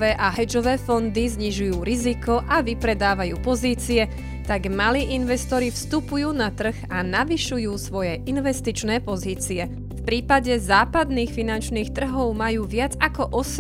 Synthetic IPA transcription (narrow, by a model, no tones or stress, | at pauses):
ʋɛːʔaɦɛd͡ʒɔʋɛːfɔnd̪izɲiʒujuːɾizikɔʔaʋipɾɛd̪aːʋajuːpɔziːt͡siɛ | t̪aɡmaliːʔinʋɛst̪ɔɾifst̪upujuːnat̪r̩ɣanaʋiʃujuːsʋɔjɛʔinʋɛst̪it͡ʃnɛːpɔziːt͡siɛ | fpɾiːpaɟɛzaːpad̪niːxfinant͡ʃniːxt̪r̩ɦɔʊmajuːʋɪad͡zakɔʔɔs